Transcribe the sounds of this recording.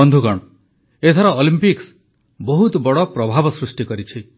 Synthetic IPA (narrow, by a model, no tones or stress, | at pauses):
ɔnd̪ʱukɔɽ̃ɔ | et̪ʰɔɾɔolimpiks | bɔɦut̪bɔɽɔpɾɔbʱabɔsɾusʈikɔɾit͡ʃʰi